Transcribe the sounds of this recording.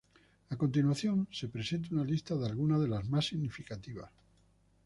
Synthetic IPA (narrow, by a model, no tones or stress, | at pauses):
ako̞nt̪̬inwaθjõ̞nse̞pɾe̞se̞nt̪̬unalist̪aðealɣunaðe̞lazmasːiɣnifikat̪iβ̞a̰s